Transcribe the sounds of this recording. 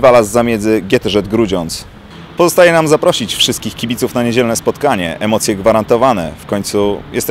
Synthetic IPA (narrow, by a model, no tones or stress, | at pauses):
valazːamʲjɛd̪zɘɡʲjɛt̪ɛʐɛd̪ɡɾud͡ʑɔnt̪s | pɔzɔst̪ajɛnamzapɾɔɕit͡ɕfʂɘst̪kʲixkʲibʲit̪sufnaɲed͡ʑɛlnɛspɔt̪kaɲɛ̰ʔɛmɔt̪sʲjɛɡvaɾant̪ɔvanɛ̰fkɔɲt̪sujɛ̰st̪ɛ